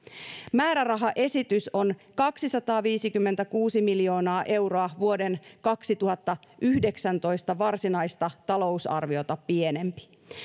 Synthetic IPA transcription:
mæːɾærɑɦɑʔe̞sit̪yso̞nkɑksisɑt̪ɑːʋiːsikymːent̪ækuːsimiljo̞ːnɑːʔe̞wro̞ɑʋuo̞de̞nkɑksit̪uɦɑt̪ːɑʔyhde̞ksænt̪o̞jst̪ɑʋɑrsinɑjst̪ɑt̪ɑlo̞usɑ̰rʋio̞t̪ɑpie̞ne̞mpi̥

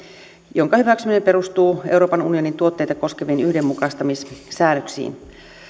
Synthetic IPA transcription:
jo̞ŋkɑhyʋæksyminempeɾust̪uːe̞wɾo̞ːpɑnunio̞nint̪uo̞t̪ːe̞jt̪ɑko̞skeʋiːnyhde̞mːukɑst̪ɑmissæːnøksḭːn

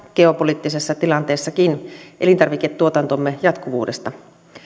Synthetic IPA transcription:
ɡeopoliːt̪ːisesːɑt̪ilɑnt̪eːsːɑkinʔelint̪ɑrʋiket̪tuot̪ɑnt̪omːejɑt̪kuʋṵːdest̪ɑ

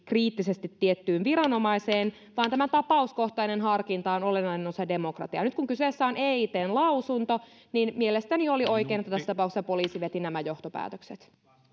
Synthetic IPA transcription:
kriːt̪ːisest̪it̪ːiet̪ːyːnʋiɾɑno̞mɑiseːn | ʋɑːnt̪æmæt̪ɑpɑusko̞ht̪ɑinenɦɑrkint̪ɑonolenɑinenosɑde̞mo̞krɑ̰t̪iɑnyt̪̚kuŋkyseːsːæoneit̪eːnlɑwsunt̪o | ninmielest̪æniolio̞jkeiːnet̪ːæt̪æsːt̪ɑpɑˑukse̥sɑpoliːsiʋet̪inæmæjo̞ht̪opæ̰ːt̪økset̪

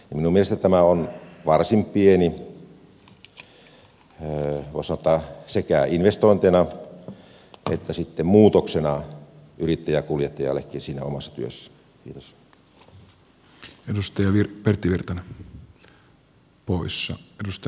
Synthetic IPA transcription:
jɑminumielest̪æt̪æmæonʋɑrsimppieni | ʋo̰ˑisɑnot̪ːɑsekæˑinʋest̪oˑint̪enɑ | ḛt̪ːæsit̪ːemmuːt̪oksenɑʔyrit̪ːæjækuljet̪ːɑjɑ̰lːḛkːinsiːnæ̰omɑsːɑ̥t̪yøsːæ̥ | kḭːt̪os | edust̪ɑjɑʋirpert̪ːiʋirt̪ɑn | poisːɑedust̪ɑ

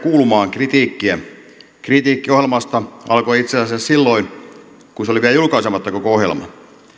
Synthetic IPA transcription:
kuːlumɑːŋkrit̪iːkːiæ | krit̪iːkːiohjelmɑst̪ɑɑ̰lkoiit̪seæsæssilːoin | kunseoliʋiælæjulkɑisemɑt̪ːɑko̞koohjḛlmɑ̰

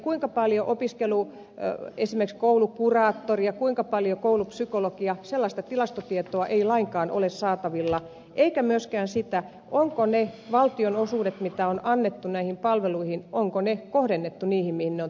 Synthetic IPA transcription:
kuiŋkɑpɑljoʔopiskelu | esimerkskoulukurɑːt̪ːorijɑkuiŋkɑpɑljokoulupsykolokiɑselːɑst̪ɑt̪ilɑst̪ot̪iet̪oɑʔeilɑiŋkɑːnʔo̰lessɑːt̪ɑʋilːɑ | ʔeikæmyøskæːnsit̪æ | ʔoŋkoneʋɑlt̪ionosuːdet̪mit̪æonɑnːet̪ːunæihimpɑlʋeluihinoŋkonekohdenːet̪ːuniːhimmihinneon

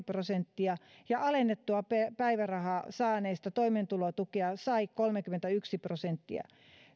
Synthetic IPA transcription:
prosent̪ːiɑjɑʔɑlenːet̪ːuɑpepæiʋærɑhɑsɑːneist̪ɑt̪oiment̪ulot̪ukeɑsɑikolmekyment̪æyksiprosent̪ːiɑ̰

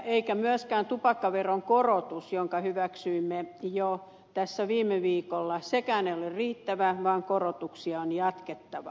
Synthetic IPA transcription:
eikæmyæskæːnt̪upɑkːɑʋeroŋkorot̪usjoŋkɑhyʋæksyimːejo | t̪æsːæʋiːmeʋiːkolːɑsekæːneolirriːt̪ːæʋæʋɑːŋkorot̪uksiɑonjɑt̪ket̪ːɑʋɑ̰

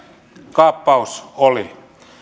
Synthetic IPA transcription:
kɑːpːɑusoli

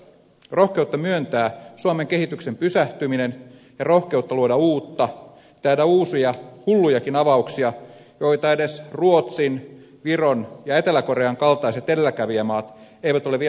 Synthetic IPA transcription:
ro̞hke̞ut̪ːɑmyønt̪æːsuomeŋke̞ɦit̪ykse̞mpysæht̪yminen | jɑrohke̞ut̪ːɑluodɑuːt̪ːɑ | t̪æːdæuːsijɑhulːujɑkinɑʋɑuksiɑjo̞it̪ɑe̞de̞sruot̪sin | ʋironjɑe̞t̪elæko̞ɾeɑŋkɑlt̪ɑiset̪ellækæʋiæmɑːt̪e̞jʋæt̪oleʋi

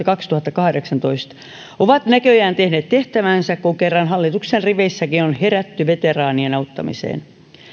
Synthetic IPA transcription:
kɑkst̪uhɑt̪ːɑkɑhdeksɑnt̪oist̪ | oʋɑt̪nækøjæːnt̪ehneːt̪t̪eht̪æʋænsækkuŋkerːɑnɦɑlːit̪uksenriʋeisːækinonheɾæt̪ːyʋet̪erɑːnienɑut̪ːɑ̰mḭsḛːn

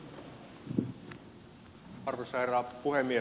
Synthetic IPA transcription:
ɑrʋesɑjɾɑːpuhemːie

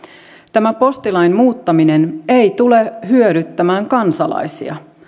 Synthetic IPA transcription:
t̪æmæpo̞st̪ilɑjnmuːt̪ːɑmine̞ne̞jt̪ule̞ɦyøɾyt̪ːæmæːŋkɑnsɑlɑ̰jsḭɑ̰

